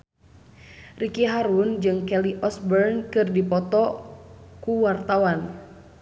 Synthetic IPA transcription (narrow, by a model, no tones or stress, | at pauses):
rikiɦaɾund͡ʒɨŋkɛliʔɔsbɛrnkɨrdipɔt̪ɔ | kuwart̪awan